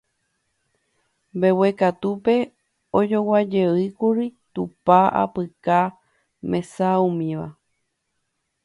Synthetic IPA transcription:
mbewekat̪upe̞ | od͡ʒo̞wad͡ʒeɨkuɾit̪upaa̰pɨka | mẽ̞saũmĩʋa̰

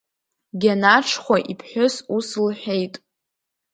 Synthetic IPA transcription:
ɡʲanaʈ͡ʂʰχʷaʔipʰħʷᶣʊsuslħʷᶣe̞jtʼ

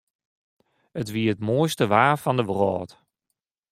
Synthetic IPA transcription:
ətʋiəətmoəjstəʋaːfɔndəʋrɔːt

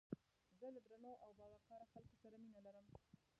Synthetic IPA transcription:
zələd̪ɾanowʔawbɑɣakɑɾaxalkosaɾaminalaɾəm

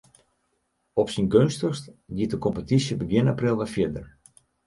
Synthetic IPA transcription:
ɔpsinɡønstərstɡitəkɔmpətisjəbəɡɪnaprɪlˠʋafjɪdər

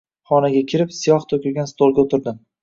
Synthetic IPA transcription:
χɒnaɡʲakʲʰɪɾɪpsijɒχt̪ʰɵkʲɪɾɡʲanst̪ʰolˠɡʲaot̪ʰɪɾd̪ɪm

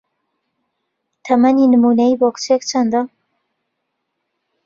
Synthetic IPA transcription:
t̪ʰɐmɐninɨmunɐjiːbokt͡ʃek̚t͡ʃʰand̪a

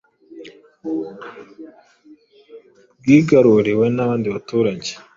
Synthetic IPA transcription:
ɡiːɡaɾuɾiwe̞naβaːndiβatuːɾaɟe̥

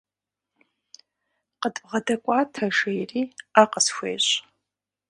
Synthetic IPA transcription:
qətʼʁɐdɐkʷʼaːtʰɐʒejriːaqəsxʷḛːɕʼ

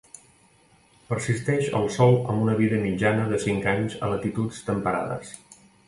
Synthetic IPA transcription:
pəɾsist̪ɛʃə̰lˠsɔlˠə̰mbunəβ̞iðəmid͡ʒanəðəsiŋkaɲzə̰lət̪it̪ut͡st̪əmpəɾa̰ðə̰s

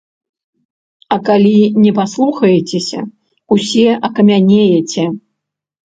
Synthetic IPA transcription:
ɐkalʲinʲɛpaslˠuxɐjɛt͡sʲesʲɐ̰ | usʲɛʔɐkɐmʲanʲejɛt͡sʲɛ

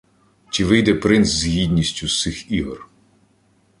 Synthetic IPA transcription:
t͡ʃiʋɪjd̪ɛpɾɪnszʲɦʲid̪ʲnʲisʲtʲusɪxiɦɔr

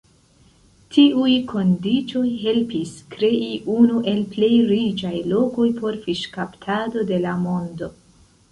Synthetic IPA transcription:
tʰiujkʰo̞ndit͡ʃo̞jɦe̞lpiskɾe̞ʔiʔunuʔe̞lple̞jɾid͡ʒajlo̞ko̞jpʰo̞ɾfiʃkaptʰado̞de̞lamo̞ndo̞

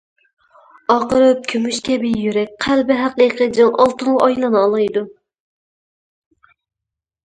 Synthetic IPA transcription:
ɑqəɾɨp̚kʲʰymyʃkʲʰɛbɪjyɾɛk̚ʲqʰælbɪɦæqiqʰəd͡ʒɑŋʔɑlˠt̪ɨnɑjlˠɨnɨːlˠɑjd̪u

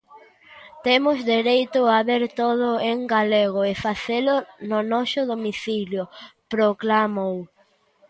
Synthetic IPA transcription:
t̪emʊzðeɾejt̪ʊaβeɾt̪oð̞ʊeŋɡaleɣ̞oefaθelʊnonɔsʊðomiθiljopɾoklamow

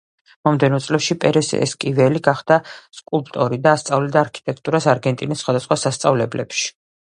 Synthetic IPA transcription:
mɔmd̪ɛnɔt̪sʼlɛʃipʼɛɾɛsɛ̰ʔɛ̰skʼivɛliɡaχd̪̥askʼulˠp̚ʼt̪ʼɔɾid̪aːst̪sʼavlid̪aːɾkʰi̥t̪ʼɛk̚ʰt̪ʼuɾasaɾɡɛnt̪ʼinisːχwad̪asχwasast̪sʼavlɛblɛ̰pʃi̥

